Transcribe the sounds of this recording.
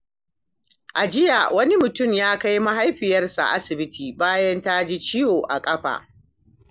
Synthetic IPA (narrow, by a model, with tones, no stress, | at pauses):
ʔa˨d͡ʒɪ˦ja˨wɐ˦ni˦mʊ˨tʊ˦˨mjaː˦ka˦jma˦ɦa˦jɸɪ˨jɐ˦rsa̰˨ʔa˦sɪ˨bɪ˦tʰiː˨baː˦jɐ˦nta˦d͡ʒi˦t͡ʃiː˦joː˨ʔa̰˨kʼɐ˦ɸa̰ː˨ʔ